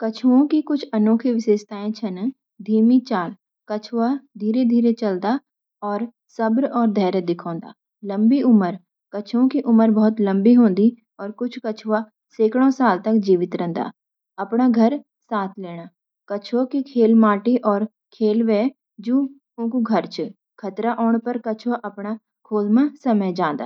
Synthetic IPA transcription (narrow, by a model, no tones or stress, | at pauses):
kət͡ʃʰuõkikʊt͡ʃʰənoːkʰiʋɪʃeːd͡ʒt̪aːẽt͡ʃʰɐn | d̪ʱiːmit͡ʃaːl | kət͡ʃʰʋad̪ʱiːɾed̪ʱiːɾet͡ʃəld̪a | ɔːɾ | sɐbɾɔːɾd̪ʱɛːɾəd̪ɪkʰɔ̃ːnd̪a̰ː | lə̃mbiʊməɾ | kət͡ʃʰõkiʔʊməɾbɔɦʊt̪lə̃mbiɦõːnd̪i | ɔːɾkʊt͡ʃʰkət͡ʃʰʋa | seːkɽ̃õsaːlt̪ɐkd͡ʒiːʋɪt̪ɾɛ̃ːnd̪a̰ː | ɐpɽaɡʱəɾ | saːt̪ʰleːɽ̃aː | kət͡ʃʰokikʰeːlmaːʈiʔɔːɾ | kʰeːlʋɛː | d͡ʒũː | ʊ̃ːkuɡʱəɾt͡ʃ | kʰɐt̪ɾaʔɔːɽ̃pəɾkət͡ʃʰʋaʔɐpɽ̃a | kʰoːlmãsəməd͡ʒãːnd̪a̰ː